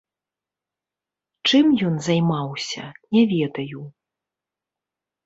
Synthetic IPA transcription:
t͡ʂɨmjɔnzajmawsʲɐ̰nʲɛvʲɛd̪ɐju

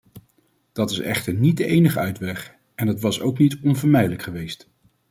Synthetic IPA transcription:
d̥ɑtɪsɛ̰χtəɹnid̚dəʔejnəχəœɥtʋɛχ | ɛndɑtʋɑso̰wknitɔnvəɹmɛjdələkχəʋejst

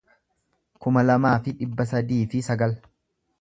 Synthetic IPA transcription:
kʊmɐlɐmaːfɪᶑɪbːɐs̬ɐd̪iːfɪsɐɡɐl

